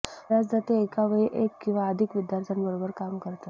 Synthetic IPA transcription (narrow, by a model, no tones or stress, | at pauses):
ɾad͡zd͡zat̪eekaʋeɭiʔekːĩw̃ʋaəd̪ʱikʋid̪jaɾt̪ʰjənbəɾobəɾkamkəɾt̪a